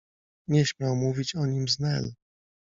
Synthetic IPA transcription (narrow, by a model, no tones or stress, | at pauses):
ɲɛɕmʲjawmuvʲit͡ɕɔɲimznɛl